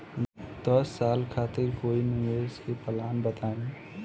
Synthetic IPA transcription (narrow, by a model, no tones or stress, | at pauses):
d̪̥əsːaːlkʰaːt̪ɪɾkoːinieskepəlaːnbət̪ãː